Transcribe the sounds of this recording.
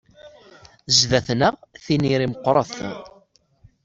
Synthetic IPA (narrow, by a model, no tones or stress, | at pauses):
zðæθnəʁθiniɾimqːɾˤə̰θ